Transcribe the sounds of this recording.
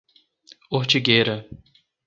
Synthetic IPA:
oɾt͡ʃiɡeɾɐ

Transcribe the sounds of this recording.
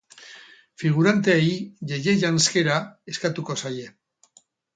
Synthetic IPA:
fiɣ̞uɾant̪e̞eiʝeje̞ʝanske̞ɾae̞skat̪uko̞saje̞

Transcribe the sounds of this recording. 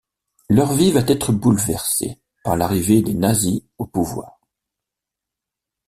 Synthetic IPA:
lœʁvivat̪ɛt̪χəbulvɛʁsḛ | paʁlaʁived̪enaziopuvwa̰ːʁ

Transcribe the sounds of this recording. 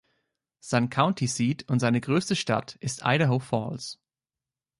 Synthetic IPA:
z̥aɪnkʰaʊntʰisiːtʰʊntz̥aɪnəɡʁøːstəʃta̰tʔɪstʔa̰ɪɾəɦoʊfɔ̰ːls

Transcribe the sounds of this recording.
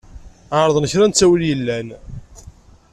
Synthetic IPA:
aɾˤðˤnəçɾænt͡sːæwəljəlːæn

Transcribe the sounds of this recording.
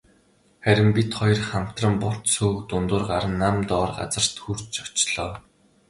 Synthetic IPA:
χæɾʲɪ̆mpʲit̪χɔj̆rχam̥t̪rə̆mpʊr̥t̪suːkt̪ʊnt̪ʊːrɢaɾə̆nːamt̪ɔːrɢa̰t͡sə̆r̥t̪xur̥t͡ɕt͡ɕɔ̥t͡ɕɮɔː

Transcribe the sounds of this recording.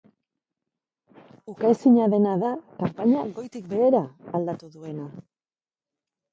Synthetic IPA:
ukasiɲaðe̞naðakampaɲaɡo̞jt̪ik̚be̞eɾaːld̪at̪uðue̞na

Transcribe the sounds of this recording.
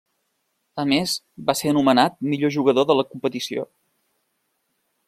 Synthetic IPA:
əmez | βaseənumənat̪̚miʎoʒuɣəðoðələkumpət̪isio̰

